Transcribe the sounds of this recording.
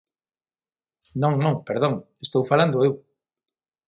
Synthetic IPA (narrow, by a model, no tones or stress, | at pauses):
nõŋnõŋpeɾðoŋest̪owfaland̪oew